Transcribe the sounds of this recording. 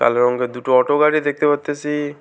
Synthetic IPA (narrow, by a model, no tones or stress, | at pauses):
ka̰leɾɔŋked̪uʈoɔʈoɡaɽid̪ek̚ʰt̪epaɾt̪ːesi